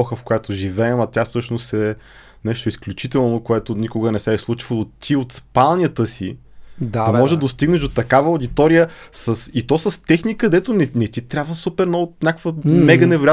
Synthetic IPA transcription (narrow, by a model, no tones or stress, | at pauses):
ɔxəfkojat̪oʒivɛɛmɐt̪ʲjafsɤʃnost̪ɛ | nɛʃt̪oisklʲut͡ʃit̪ɛlˠnokoɛt̪onikʊɡənɛsɛːslˠut͡ʃvəlˠot̪iot̪spalˠnʲjət̪əsi | d̪aɐmɔʒɛd̪ɐdost̪iɡnɛʃd̪ot̪ɐkavəʊd̪it̪ɔɾijəsəsit̪ɔsəst̪ɛxnikɐd̪ɛt̪onɛnɛt̪it̪ɾʲjabvəsupɛɾnɔot̪nʲakvəmɛɡənɛvɛɾoja